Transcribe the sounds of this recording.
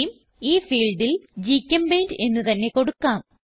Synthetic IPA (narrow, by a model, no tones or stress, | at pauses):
jum | iːfiːlɖild͡ʑiːkʲːɐmbeːnde̞nːɨt̪ɐnːe̞ko̞ɽukːaːm